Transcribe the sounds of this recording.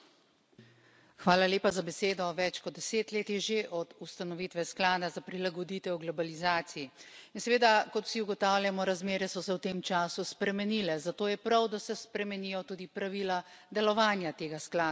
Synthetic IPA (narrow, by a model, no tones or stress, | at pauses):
xʋaːlaleːpazabɛseːd̪ɔʋɛt͡ʃkɔd̪̚d̪ːɛseːt̪leːt̪jɛʒeʔɔd̪ust̪anɔʋit̪ʋɛsklaːd̪azapɾilaɡɔd̪iːt̪ʋɛwɡlɔbalizaːt̪siiinsɛʋeːd̪akɔt̪u̥siuɡɔt̪awljamɔɾazmeːɾɛsɔsɛwt̪emt͡ʃaːsuspɾɛmɛnilɛzat̪oːjɛpɾawd̪asɛspɾɛmɛnijɔt̪uːd̪ipɾaʋilad̪ɛlɔʋaːnjat̪eːɡasklaː